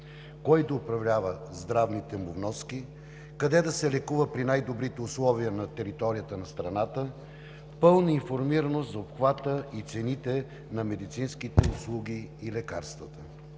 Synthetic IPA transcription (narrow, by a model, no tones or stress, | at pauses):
kɔjd̪əʊpɾɐvlʲavəzd̪ɾavnit̪ɛmuvnɔski | kɐd̪ɛd̪ɐsɛlɛkuvəpɾinajd̪obɾit̪ɛʊslˠɔviənɐt̪ɛɾit̪ɔɾijət̪ənɐst̪ɾɐnat̪ə | pɤlˠnəinfoɾmiɾɐnost̪zɐopxvat̪əit̪sɛnit̪ɛ | nɐmɛd̪it̪sinskit̪ɛʊslˠuɡ̟iːlɛka̰ɾst̪vət̪ə